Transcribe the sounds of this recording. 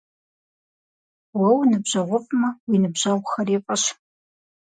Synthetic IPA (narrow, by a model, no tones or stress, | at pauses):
wɐwnɨbʑɐʁʷʊpʼmɐwinɨbʑaʁʷxɐriːpʼɐʃ